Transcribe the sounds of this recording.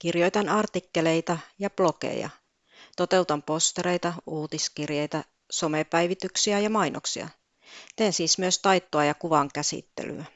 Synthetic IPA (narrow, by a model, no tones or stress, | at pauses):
kirjo̞jt̪ɑnɑrt̪ikːele̞jt̪ɑjɑplo̞kḛjɑ̰ | t̪ot̪e̞ut̪ɑmpost̪eɾe̞jt̪ɑuːt̪iskirjejt̪ɑ | so̞mepæjʋit̪yksiæjɑmɑjnʔoksḭɑ̰ | t̪eːnsiːsmyøst̪ɑjt̪ːoɑjɑkuʋɑŋkæsḭt̪ːḛly̰æ